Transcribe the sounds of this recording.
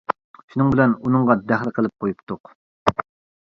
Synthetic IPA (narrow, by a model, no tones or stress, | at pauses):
ʃunɨŋbɪlɛnunɨŋʁɑd̪æχlˠɨqʰəlˠɪp̚qʰojupt̪ʊq